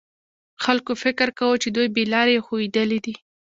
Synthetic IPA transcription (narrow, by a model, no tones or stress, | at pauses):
xalkofɪkɾkawət͡ʃed̪ujbelɑɾjexowid̪əlid̪i